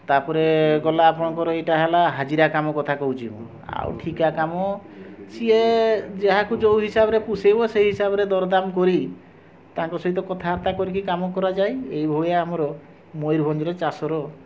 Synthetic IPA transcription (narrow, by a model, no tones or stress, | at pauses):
t̪apɔɾeɡɔlaːpɔɽ̃ɔŋkɔɾɔeʈaɦelaɦad͡ʒiɾakamɔkɔt̪ʰakɔɦut͡ʃʰibɔ̰ | a̰w̰ʈʰikakamɔsied͡ʒeɦakud͡ʒowɦisabɔɾepusejbɔseɦiɦisabɔɾed̪ɔɾɔd̪amkɔɾi | t̪aŋkɔsɔɦit̪ɔkɔt̪ʰaɦaɾt̪akɔɾikʰikamɔkɔɾad͡ʒajejbʱojaːmɔɾɔ | mojɾbʱɔnd͡ʒɔɾet͡ʃasɔɾɔ